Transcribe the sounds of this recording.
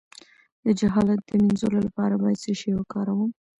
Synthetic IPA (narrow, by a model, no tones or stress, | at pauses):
d̪əd͡ʒaɦɑlat̪̚d̪̥əminzololapɑɾabɑjad̪səʃejwakɑɾawum